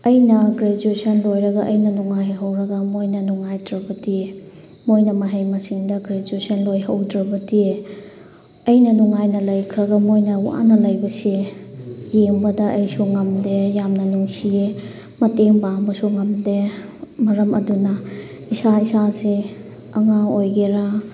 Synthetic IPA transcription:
ɐjnɐɡɾed͡ʒuesɐnlojɾɐɡɐʔɐjnɐnuŋajɦɐwɾɐɡɐmojnɐnuŋajdɾɐbɐdie | mojnɐmɐɦejmɐsiŋdɐɡɾed͡ʒuesɐnlojɦɐwdɾɐbɐdie | ɐjnɐnuŋajnɐlɐjkʰɾɐɡɐmojnɐuʔa̰nɐlɐjbɐse | jeŋbɐdɐʔɐjsuŋɐmdejamnɐnuŋsie | mɐteŋbaŋbɐsuŋɐmdemɐɾɐmɐ̰dunɐ | isaisase | ɐŋaojɡeɾa

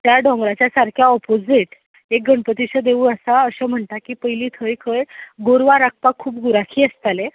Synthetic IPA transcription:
t̪jaɖʱɔ̃ŋɡɾat͡ɕjasaɾkʰjaɔpod͡ziʈ | ek̚ɡəɳpət̪iɕəd̪eʋuːəsaəɕəm̤əɳt̪akiːpəjliːt̪ʰəjkʰəjɡoɾʋaɾak̚ʰpakʰːuːp̚ɡuɾakʰiːəst̪ale

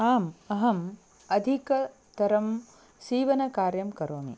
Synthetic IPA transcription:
aːmɐɦɐm | ɐd̪ʱikɐ | t̪ɐɾɐm | siːʋɐnɐkaːɾjɐmkɐɾoːmḭ

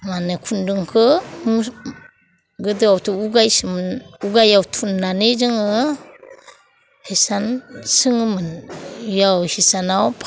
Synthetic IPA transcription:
manɯkʰundɯŋkʰɯm | ɡɯdɯawtʰuuɡajsɯmnuɡajawtʰunːanezɯŋɯ | hesansɯŋɯmɯnjawhisanawpʰ

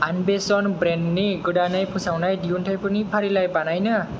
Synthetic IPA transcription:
anbesɔnbɾenniɡɯɖanajpʰusawnajdiuntʰajpɯnipʰaɾilajbanajnʌ

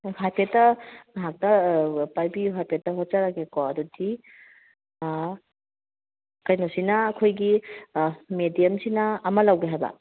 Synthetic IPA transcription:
hajpʰetːɐmɐɦak̚tɐpajbijuɦajpʰetːɐɦot̚zaɾakekɔɐdudi | kɐjnosinɐːkʰojɡi | medijɐmsinɐːmɐlawɡeɦajbɐ̰

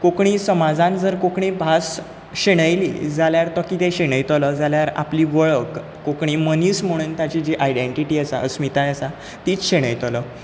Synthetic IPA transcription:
kokɳ̃iːsəmad͡zãnd͡zəɾkokɳĩbʱas | ɕeɽ̃əjlḭːd͡zaljaɾt̪ɔkiːt̪ẽɕeɽ̃əjt̪ləd͡zaljaɾa̰pliːʋəɭəkː | okɳ̃iːməniːsm̤əɽ̃uːnt̪jat͡ɕid͡ʑiʔajɖeɳʈiʈiːəsa̰ʔəsmit̪ãjəsa | t̪iːt͡sɕeɽ̃əjt̪ələː

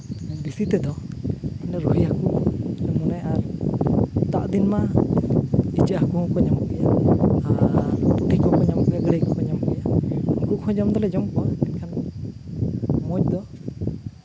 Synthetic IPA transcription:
bisit̪ɛd̪ɔɛnaɾuɦijakuʔnɛmunɛʔaɾ | t̪aʔd̪inma | it͡ʃəʔakuhɔ̃kɔɲɔmɔkɛjaapuʈʰikɔkɔɲɔmɔʔɡɛjaɡɾekɔkɔɲɔmkɛjaɡuʔhɔ̃ɲɔmd̪ɔlɛd͡ʒɔmkɔwanɛnkʰan | mɔc̚d̪ɔ

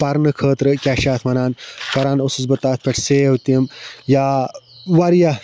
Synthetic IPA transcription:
pɐɾnɨkʰəːt̪ɾɨkʲaʃaːt̪ʰmɐnaːnkɐɾaːnosusbɐt̪aːt̪̚ʰpʲeʈʰseːwt̪iəmjaːʋɐɾjɐ

